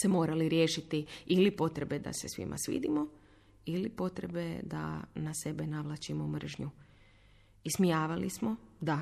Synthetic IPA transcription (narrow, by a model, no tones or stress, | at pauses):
se̞mo̞ːɾaliɾjeːʃit̪iilipo̞t̪ɾe̞be̞d̪a̰se̞sʋḭmʔa̰sʋḭd̪imo̞ | ilipo̞t̪ɾḛbe̞d̪a̰nase̞be̞naʋlˠat͡ɕimomr̩ʒɲu | ismijaːʋalismo̞d̪a